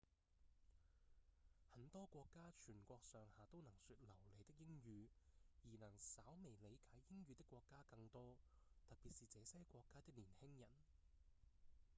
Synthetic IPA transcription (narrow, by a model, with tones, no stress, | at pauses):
hɐ˨˥nt̪ɔː˥kʷɔː˧kːaː˥t͡ʃʰyː˨˩nkʷɔː˧k̚sœː˨ŋhaː˨˩t̪o˥wnɐ˨˩ŋsyː˧t̚lɐ˨˩wle˨˧t̪ɪ˥k̚jɪ˥ŋjyː˨˧jiː˨˩nɐ˨˩ŋsaː˨˥wme˨˩jle˨˧jkaː˨˥jːɪ˥ŋjyː˨˧t̪ɪ˥kʷːwɔː˧kːaː˥kɐ˧ŋt̪ɔː˥ | t̪ɐ˨p̚piː˨t̚siː˨t͡sɛː˨˧sɛː˥kʷɔː˧kːaː˥t̪ɪ˥k̚niː˨˩nhɪ˥ŋjɐ˨˩n